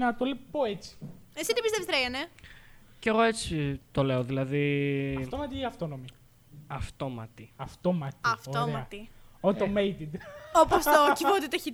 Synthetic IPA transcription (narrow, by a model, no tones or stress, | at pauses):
nɐt̪olepoet͡si̥esid̪ibist̪e̞vsɾejɐne | ceɣo̞e̞t͡sit̪o̞le̞oðilɐðiɐft̪omɐt̪iiɐft̪onomi | ɐft̪o̞mɐt̪iɐft̪omɐt̪iɐfooemɐɐt̪iot̪omejt̪id̪opost̪ocivot̪it̪ɐçi